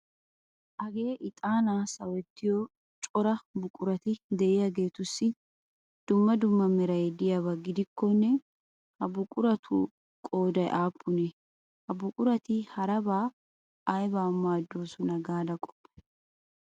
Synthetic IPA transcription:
ʔɐɡe̞ːʔɪt̪ʼaːnaːsɐwɛt̪ːɪjɔ | t͡ʃʼɔɾɐbʊkʼʊɾɐt̪ɪd̪ɛʔɪjaɡe̞ːt̪ʊsːɪ | d̪̥ʊmːɐd̪ʊmːɐmɛɾɐjd̪ɪjaβɐɡɪd̪ɪkːɔnːɛ | hɐbʊkʼʊɾɐt̪ʰṵ | kʼo̞ːd̪ɐjʔaːpʰːʊnɛ | hɐbʊkʼʊɾɐt̪ɪhɐɾɐbaː | ɐjbaːmaːd̪ːoːsɔnɐɡaːd̪ɐkʼɔ̥pːɛ̥

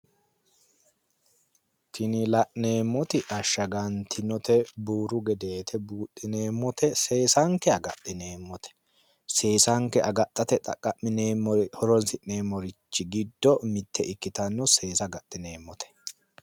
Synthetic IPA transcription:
t̪ʰɪnɪlɐʔne̞ːmːɔt̪ɪʔɐʃːɐɡɐnt̪ʰɪnɔt̪ɛbuːɾʊɡɛd̪e̞ːt̪ʰɛbuːt̪ʼːɪne̞ːmːɔt̪ʰɛse̞ːsɐŋkɛɐɡɐ̰t̪ʼːɪne̞ːmːɔt̪ʰɛ̥ | se̞ːsɐŋkɛʔɐɡɐt̪ʼːɐt̪ɛt̪ʼɐ̰kʼːɐʔmɪneːmːɔɾhɔɾɔnsɪʔne̞ːmːɔɾɪt͡ʃːɪɡɪd̪ːɔmɪt̪ːɛʔɪkːɪt̪ɐnːɔse̞ːsɐɡɐt̪ʼːɪne̞ːmːɔt̪ɛ̥

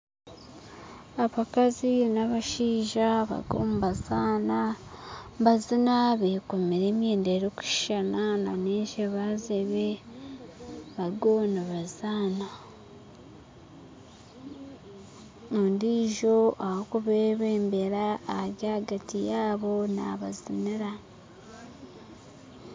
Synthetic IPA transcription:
aβakazinaβaʃiːʒaβa̰ɡo̰ːmuβazaːna | bazinaβekomiɾe̞ːmjeːndeɾoku̥ʃʃanana̰neːʒeβazeβe | βaɡoːniβazaːna | ondiːʒo̞ʔahokuβeβeːmbe̞ɾaːaɾjaɡatijaːβo̞na̰βaziniɾa

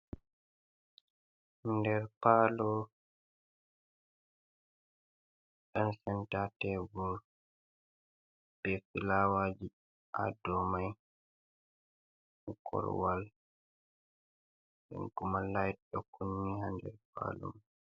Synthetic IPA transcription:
hndɛɾpaːlɔ | ɗɔnsɛntatɛɡuɾ | b̥ɛfilawaːd͡ʒi | ʔa̰dɔmaj | kʰɔ̰ɾwal | ɓɛ̰nkumalajt̚ɗɔkunːihandɛ̰ɾpa̰lɔ̰m

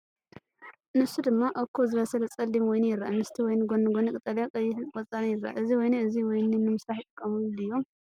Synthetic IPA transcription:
nɨsud̪ɨmːaʔokʰːozɨβɐsɐlɐt͡sʼɐlːimwɔjnjɪɾaʔamɨst̪ʰiwɔjnɡonɨɡonɨkʼɨt̪ʼːɐljakʼɐjːɪkʼɔt͡sʼːanɐjɪrːaʔa̰ʔɨziwɔjneɨziwɔjnɨnːɨmɨsɾaħjɪt̪ʼɨkʼːɐmulɨjːo̞

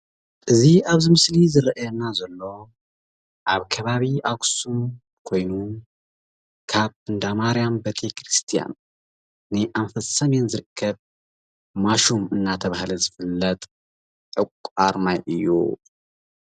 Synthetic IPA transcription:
ʔɨziaβzimɨslizɨɾɐʔajɛnazɐlːo̞ | ʔaβkʰɐβaβiʔaksum | kʰo̞jnu | kʰaβɨnd̪amaɾjambet̪ʰekʰɾɨst̪ʰija̰nː | ɨʔaɱfɐsɐmjɛnzɨɾɨkʰːɐβ | maʃumɨnːat̪ʰɐβahlɐzɨfɨlːɐt̪ʼ | ʔɨkʷʼaɾmajʔɨjːṵ

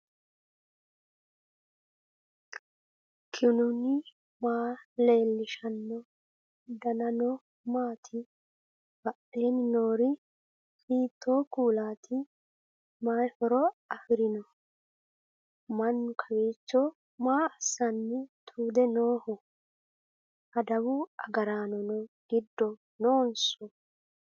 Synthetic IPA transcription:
kʰɪnʊnɪ | maːle̞ːlːɪʃɐnːɔ | d̪ɐnɐnɔ | maːt̪ʰɪ | bɐʔeːnɪnoːɾɪ | hiːt̪ʰːoːkuːlaːt̪ʰɪ | maːfɔɾɔɐfɪɾɪnɔ | mɐnːʊkʰɐweːt͡ʃːɔ | maːɐsːɐnːɛt̪ʰuːd̪ɛnoːhɔ | hɐd̪ɐwʊɐɡɐɾaːnɔnɔɡ̥ɪd̪ːɔ | noːnsɔ

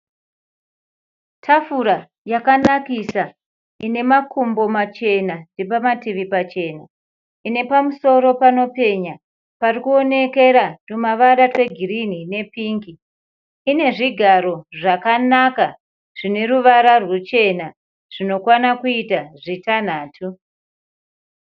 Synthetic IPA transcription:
tʰafuɾa | jakanakisa | ine̞makʰumbo̞mat͡ʃe̞nandepamatiʋipat͡ʃe̞na | ine̞pamuso̞ɾo̞pano̞pe̞ɲa | parikuo̞ne̞ke̞ɾatumaʋaɗatwe̞ɡʱirinine̞piːŋɡiː | ne̞ʐiɡʱaɾo̞ʐakanaka | ʐ̥ine̞ɾuʋaɾarwut͡ʃe̞na | ʐ̥ino̞kwanakuitaʐitan̤aːtʰu

